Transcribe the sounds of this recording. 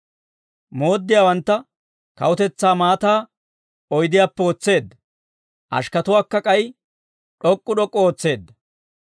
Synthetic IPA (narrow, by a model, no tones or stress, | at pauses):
mo̞ːd̪ːɪjaːwɐnt̪ːɐ | kɐ̰wʊt̪ɛt͡sːaːmaːt̪aː | ɔjd̪ɪjaːpːɛoːt͡sːe̞ːd̪ːɐ | ʔɐ̰ʃkɐt̪ʊwaːkːɐkʼɐj | ᶑɔkʼːʊɗɔkʼːɔoːt͡sːe̞ːd̪ːɐ